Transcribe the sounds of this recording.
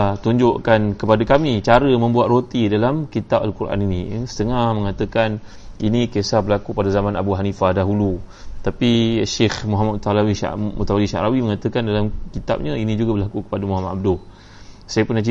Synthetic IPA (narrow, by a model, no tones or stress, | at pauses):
t̪uɲd͡ʒʊʔkankəpadakamit͡ʃaɾəmə̃mbuat̪̚rot̪idalamkit̪ap̚alkuɾʔa̰ninisə̥t̪əŋahməŋat̪əkan | inikesahbəlakupadazamãnabuɦanifadaɦulut̪apiʃexmuɦamat̪alawiʃa̰ṵt̪awaliʃa̰ʔɾawiməŋat̪əkandalamkit̪a̰p̚ɲainid͡ʒuɡabəlakukə̥padamuɦamat̪ab̚dʊh | sajəpʊnat͡ʃi